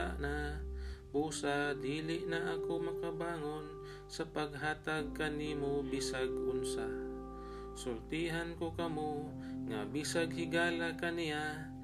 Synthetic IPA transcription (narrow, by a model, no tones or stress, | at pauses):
aʔna | buːsad̪iːlɪʔnaʔakomɐkabaːŋon | sɐpaɡɦaːt̪aɡ̚kaniːmobɪsaɡʔʊnsa | sʊlt̪iɦankokɐmo | ŋa̰bisaɡhɪɡaːlakanɪja